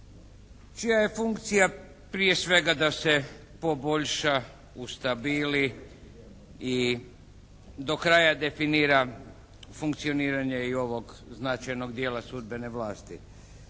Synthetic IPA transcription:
t͡ʃijaje̞fuŋkt̪sija | pɾijesʋe̞ɡad̪ase̞ | po̞bo̞ʎʃa | ust̪abiːli | i | d̪o̞kɾajad̪e̞finiːɾa | fuŋkt̪sio̞niːɾaɲeio̞ʋo̞ɡ | znat͡ʃajno̞ɡd̪je̞ːlˠasud̪be̞ne̞ʋlaːst̪i

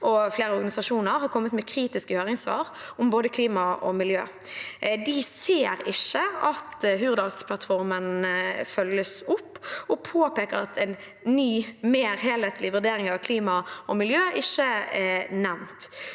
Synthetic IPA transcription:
ʔɔfleːɾəɔɾɡɑnɪsɑʂuːnəɾhɑɾkʰɔmːət̪mɛkʰɾiːt̪ɪskəhøːʁɪŋsʋɑ̰ːɾʊmboːd̪əkʰliːmɑɔ̰mɪljø̰ː | d̪ɪseːɾɪʃəɑt̪ɦʉːʁd̪ɑlspʰlɑt̪fɔɾmənfœlːəsʊpːɔpʰoːpeːkəɾɑ̰t̪ʰɛɪn | nyːmeːɾɦeːleːt̪lɪʋʉʁd̪eːɾɪŋɑʋkʰliːmɑɔmɪljøːʔɪʃːəɛnɛʋnt̪

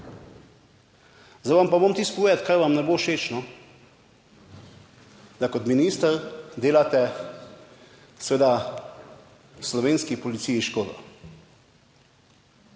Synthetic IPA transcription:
zaʋampamomt̪iskueːd̪at̪kaɾʋamnɛboːʃeːt͡ʃnɔ | d̪akɔt̪miniːst̪əɾd̪eːlat̪ɛ | sʋeːd̪a | slɔʋeːnskipɔlit̪sijiʃkoːd̪ɔ̰

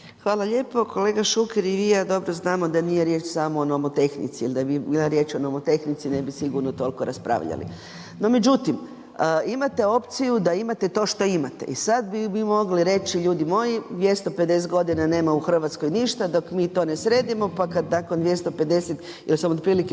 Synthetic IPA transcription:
xʋaːlaʎe̞ːpo̞ko̞leːɡaʃukeɾiʋijaːd̪o̞bɾoznaːmod̪anijeɾjet͡ʃsamoːnomot̪e̞xnḭt̪siilid̪abibiːlaɾje̞ːt͡ʃonomot̪e̞xnit̪sine̞bisiɡuɾnot̪o̞likoɾaspɾa̰ʋʎa̰lḭ | no̞me̞d͡ʒut̪im | əimat̪e̞o̞pt̪sijud̪aimat̪e̞t̪oːʃt̪o̞imat̪ḛḭsad̪̚bimimo̞ɡliɾe̞t͡ʃiʎuːd̪imo̞jid̪ʋje̞st̪ope̞d̪e̞s̬et̪ɡo̞d̪inane̞ːmauxr̩ʋat̪sko̞jniʃt̪ad̪o̞kmiːt̪o̞ːnesɾe̞ːd̪imo̞pakad̪nakond̪ʋje̞st̪o̞pe̞d̪e̞set̪ | ilisamod̪̚pɾiːlike

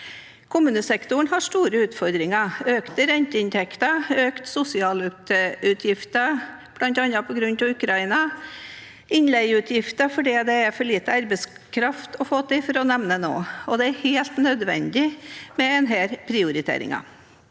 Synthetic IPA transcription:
kʰʊmʉːnəsɛkt̪ʊɳɦɑʂʈ̪uːɾəʉːt̪fɔɾd̪ɾɪŋəøːkt̪əɾɛnt̪əɪnt̪ʰɛkt̪əøːkt̪sʊsɪɑːlʉt̪ʉt̪ʰjɪft̪əb̥lɑnt̪ɑnɑpʰɔɡɾʉnt̪ɑʋʉkʰɾɑɪnɑ | ʔɪnlɛɪʉt̪ʰjɪft̪əfɔɖiːd̪ɛæɾfɔɭiːt̪əɑɾbəskʰɾɑft̪ɔfoːt̪ʰɪfɔɾɔnɛʋnəno̰ːɔd̪ɛæɾheːlt̪nœd̪ʋɛ̰nd̪ɪmɛɛnɦɛɾpʰɾɪʊɾɪt̪ʰḛːɾɪ̰ŋɑ̰

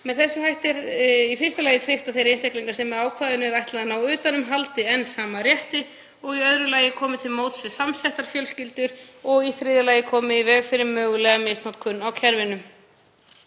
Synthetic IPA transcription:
mɛðθɛsːʏɦajht̪ɪɾifɪr̥st̪alajɪt̪ʰɾɪft̪aθejɾejnsɛhkliŋkḁɾsɛmːɛaːwkʰvaːðʏnɛɾajht̪laðanaːwʏːt̪anʏmɦalt̪ɪɛnːsaːmarjɛht̪ɪ | ɔɣiœðɾʏlaːjɪkʰɔːmɪt̪ʰɪlmowt̪svɪsamsɛht̪aɾ̥fjœlscɪlt̪ʏɾɔɣiθɾɪːðɪlajɪkʰɔːmɪivɛːɣfɪɾɪmœːɣʏlɛɣamɪstnowt̪kʰʏnːawcʰɛɾvɪnʏm

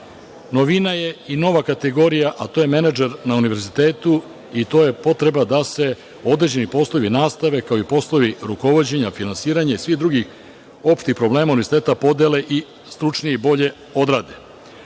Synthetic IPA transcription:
noʋinaje̞ino̞ʋakat̪eɡo̞ɾijaʔat̪o̞je̞me̞nad͡ʒeɾnauniʋe̞ɾzit̪eːt̪u | it̪o̞ːje̞po̞t̪ɾe̞bad̪ase̞ | o̞d̪ɾe̞d͡ʑe̞nipo̞slˠoʋinaːst̪aʋe̞kaoipo̞slˠoʋiɾuko̞ʋo̞d͡ʑe̞ɲafinansiːɾaɲaisʋixd̪ɾuɡix | o̞pʃt̪ixpɾo̞bleːmauniezit̪eːt̪apo̞d̪ele̞ʔi | st̪ɾut͡ʂnijeibo̞ʎe̞ | o̞d̪ɾaːd̪e

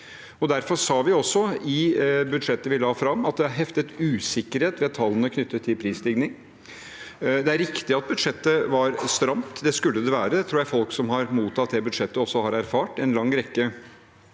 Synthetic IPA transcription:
ɔd̪æɾfɔɾsɑːʋɪɔsːɔɪbʉd̪ʂɛt̪ːəʋɪlɑːfɾɑmːɑt̪̚d̪ɛhɑɾɦɛft̪ət̪ʉːsɪkːəɾheːt̪ʋɛːɑt̪ʰːɑlːənəkʰnʏt̪ːət̪ʰːɪlpʰɾiːslɪɡnɪŋ | d̪ɛæɾɪkt̪ɪɑt̪̚bʉd̪ʂɛt̪ːəʋɑɾst̪ɾɑmt̪d̪ɛskʉlːəd̪ɛʋæːɾət̪ʰɾuːjæɪfɔlksɔmɦɑɾmuːt̪ʰɑt̪̚d̪ɛbʉd̪ʂɛt̪ːəɔsːɔhɑɾæɾfɑːʈɛnlɑŋːɾɛkːə

